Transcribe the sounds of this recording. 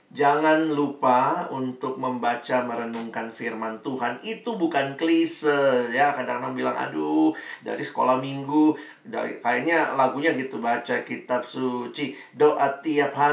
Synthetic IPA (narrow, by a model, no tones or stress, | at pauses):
d͡ʒaŋanlupaunt̪ʊk̚məmbat͡ʃaməɾənuŋkanfirmant̪uɦanit̪ubukanklisəsjakada̰ŋnaŋbilaŋa̰duda̰ɾisə̥ko̰lahmiŋɡu | da̰kajaɲalaɡuɲaɡit̪ubat͡ʃakit̪ap̚sut͡ʃi | doʔat̪iap̚ha